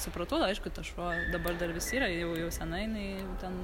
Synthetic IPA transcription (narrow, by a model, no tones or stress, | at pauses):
sʊpɾɐt̪oːd̪ɐɪʃkʊt̪ɐʃʋoːd̪ɐbɐrd̪ɐrʋʲɪsʲiːɾɐjɛʊjɛʊsʲɛnɐɪɪnɐɪ | t̪ʲɛn